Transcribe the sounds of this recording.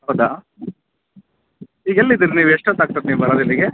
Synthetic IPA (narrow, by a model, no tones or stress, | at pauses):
ɦɐwd̪a | iːɡelːid̪iːɾiniːʋeʂʈot̪aːɡ̚t̪ɐɾniːʋbɐɾoːd̪ilːiɡe